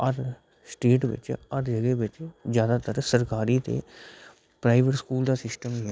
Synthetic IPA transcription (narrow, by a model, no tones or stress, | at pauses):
əɾ | sʈeːʈʋɪ̰t͡ʃəɾd͡ʒəɡeʋɪt͡ʃzjaːd̪aːt̪əɾsəɾkaːɾiːt̪ḛː | pɾaːɪʋəʈskuːld̪aːsɪsʈəm